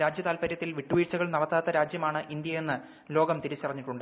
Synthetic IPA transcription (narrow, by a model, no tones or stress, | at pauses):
ɾaːd͡ʑjɐt̪aːlpɐɾjɐt̪ːilʋiʈːuʋiːrt͡ɕːɐɣɐɭnɐɽɐt̪ːaːt̪ːɐɾaːd͡ʑjɐmaːɳɨʔind̪jɐjenːɨ | lo̞ːɡɐmt̪iɾit͡ɕːirɐɲːiʈːuɳɖɨ